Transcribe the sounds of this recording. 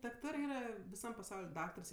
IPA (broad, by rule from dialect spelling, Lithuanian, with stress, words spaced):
dɐkˈtɑːrɜ ˈiːrɐ ʋʲɪˈsɐm pɐˈsɐʊlʲ ˈdɑːktɐrs